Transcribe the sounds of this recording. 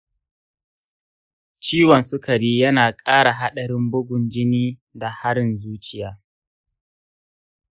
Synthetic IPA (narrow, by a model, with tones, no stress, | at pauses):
t͡ʃiː˦wɔ˨nsʊ˦kɐ˨ɾiː˦jɐ˦naː˨kʼaː˦ɽa˨ɦa˦ɗɐ˨ɽɪ˦mbʊ˦ɡʷʊ˨nd͡ʒɪ˦niː˦da˨ha˦ɽɪ˨nzuː˦t͡ʃʼɪ˨jaː˦